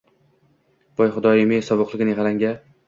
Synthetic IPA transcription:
b̥ɒjχʊd̪ɒjɪmɪjsɒbʊqlˠɪɡʲɪnɪʁaɾaŋɡʲa

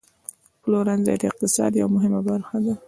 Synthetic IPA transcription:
plawɾanza̰d̪ɪq̚t̪ɪsɑ̰d̪jawamʊɦɪmabaɾxad̪a

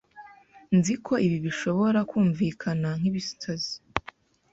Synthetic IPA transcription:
nzikʰo̞iβiβiʃo̞βo̞ɾakuːɱviːkʰanaŋ̥hiβistʰazi

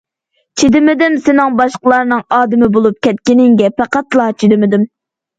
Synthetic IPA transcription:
t͡ʃʰid̪ɪmɪd̪ɪmsɪnɪŋbɑʃqəlˠɑɾnɨŋɑːd̪ɨmɪbolˠup̚kʲɛt̪̚kʲɪnɪŋɡʲɛpæqɑt̪lˠɑːt͡ʃʰid̪ɪmɪd̪ɪm

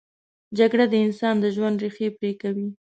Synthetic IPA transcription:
d͡ʒaɡɽad̪əɪnsɑnd̪əʒwand̪ɾixepɾekawi

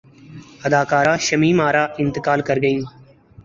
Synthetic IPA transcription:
əd̪aːkaːɾaːʃəmiːmaːɾaːʔɪ̃nt̪ɪkaːlkəɾɡəĩː

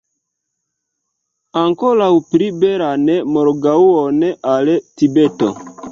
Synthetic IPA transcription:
aŋkolawpɾibeɾanemoɾɡauoneʔaletibeto̰

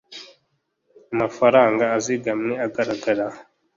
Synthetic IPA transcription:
amafaɾaːŋɡaːziɡamɲeaɡaɾaɡaɾa

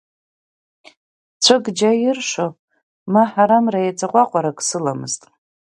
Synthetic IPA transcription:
t͡sʷʰɨɡd͡ʒajɪrʂʷo | maħaɾamrajat͡sʼaqʷʼaqʷʼaɾakʼsɨlamɨ̰ztʼ

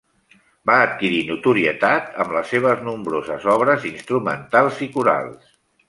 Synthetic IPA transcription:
baːt̪̚kiɾinut̪uɾiət̪at̪əmləseβ̞əznumbɾozəzɔβɾəzinst̪ɾumə̰nt̪alˠzikuɾa̰lˠs

